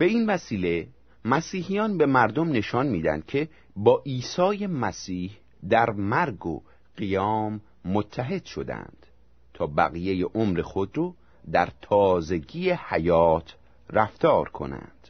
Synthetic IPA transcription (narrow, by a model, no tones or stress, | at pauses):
b̥e̞invæsiːle̞ | mæsiːhijɒːnbe̞mæɾd̪omne̞ʃɒnmiːd̪æ̰nd̪̥cʰe̞ | bɒːʔiːsɒːje̞mæsiːh | d̪æɾmæɾɡo̰ | ɢijɒːmː | ot̪ʰːæɦe̞d̪̥ʃo̞̰d̪æ̰nd̪̥ | t̪ʰɒːbæ̰ɣije̞jeʔomɾexo̞d̪ɾo | d̪æɾt̪ʰɒːze̞ɟiːehæjɒːt̪ʰ | ræft̪ʰɒːɾkʰo̞̰næ̰nd̪̥